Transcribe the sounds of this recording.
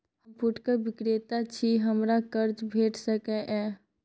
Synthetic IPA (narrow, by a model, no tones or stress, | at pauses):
həmpʊʈkəɾbɪkɾet̪at͡ʃʰiɦəmɾakəɾd͡ʒbʱeːʈʰsəkɛʔɛː